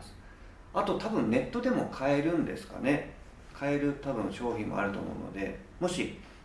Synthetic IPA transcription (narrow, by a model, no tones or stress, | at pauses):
sɨ̥ | at̪o̞t̪abɯ̟̃nne̞t̪ːo̞d̪e̞mo̞kʰae̞ɾɯ̟̃nd̪e̞̰sɨ̥ka̰ne̞ | kʰae̞ɾɯ̟t̪abɯ̟̃ɰ̃ɕo̞ːçʲĩmmo̰a̰ɾɯ̟t̪o̞̰mo̞̰ɯ̟̰no̰d̪e̞̰ | mo̞ɕi